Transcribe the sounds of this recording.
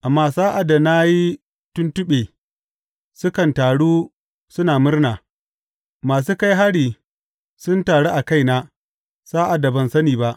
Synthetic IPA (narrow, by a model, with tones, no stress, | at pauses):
ʔa˨mːaː˦saː˦ʔa˨da˨na˦ji˦ | tʊ˦ntʊ˦ɓeː˨ | sʊ˦kɐ˨ntaː˨ɽuː˦ | sʊ˦naː˨mʊ˦rnaː˨ | maː˨s̬uː˦ka˦jɦa˦ɽiː˨ | sʊ˦ntaː˨ɽeː˦ʔa˨ka˦jnaː˦ | saː˦ʔa˨da˨bɐ˨nsɐ˦niː˨ba˦ʔ